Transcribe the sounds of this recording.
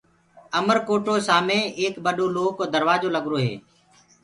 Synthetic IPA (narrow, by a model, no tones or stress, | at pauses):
əməɾkoːʈoːsaːmẽːeːkɓəɗoːloːkoːd̪əɾʋaːzoːləɠɾoːɦḛː